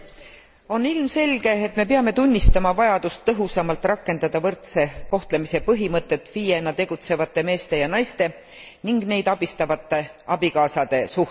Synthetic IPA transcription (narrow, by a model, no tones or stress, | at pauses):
o̞nilmse̞lʲɡ̥e̞ːt̪me̞peɑme̞t̪unʲːist̪ɑmɑvɑjɑd̪̥ust̪ːɤɦusɑmɑlt̪ːˑrɑkːe̞nd̪̥ɑd̪ɑvɤrt̪se̞ko̞ht̪lemise̞pɤɦimɤt̪ˑːe̞t̪ːfiːjenːɑt̪e̞ɡ̥ut̪se̞vɑt̪ːˑe̞me̞ːst̪e̞jɑnɑjst̪e̞ | niŋɡne̞jd̪ɑb̥ist̪ɑvɑt̪ˑːe̞ | ɑb̥ikɑːsɑd̪̥e̞su